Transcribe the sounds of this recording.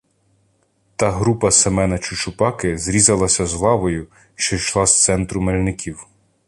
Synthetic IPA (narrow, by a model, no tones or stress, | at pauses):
t̪ɑɦɾupɐsemɛnɐt͡ʃʊʃʊpɑkɪzɾʲizɐlˠɐsʲɐzlˠɑʋɔjʊ | ʃt͡ʃɔʃlˠɑst̪sɛnt̪ɾʊmelʲnɪkʰʲiw